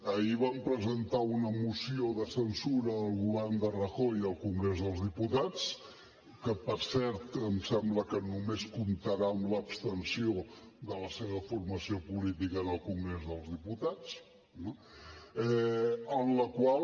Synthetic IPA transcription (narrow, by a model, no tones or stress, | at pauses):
əiβampɾəzənt̪aunəmusioðəsənsuɾəːlˠɣuβɛrnd̪ərəxɔjəlˠkuŋɡɾezðəlˠzðiput̪at͡s | kəpəɾsɛɾt̪əmsɛmbləkənumeskumt̪əɾaəmləːpst̪ənsiod̪ələseβ̞əfurməsiopulit̪ikəːnəlˠkuŋɡɾezðəlˠzðiput̪at͡s | no | ɛənləkwal